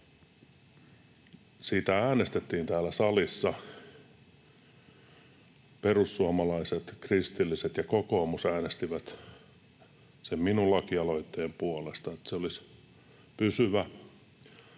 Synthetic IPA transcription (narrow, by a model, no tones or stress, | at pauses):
siːt̪ææːnest̪et̪ːiːnt̪æːlːæsɑlisːɑ | perusːuɑmɑlɑiset̪krist̪ilːiset̪jɑkoko̞ːmusæːnest̪iʋæt̪ | semminullɑkiɑloit̪ːeːmpuolest̪ɑet̪seolis | pysyʋæ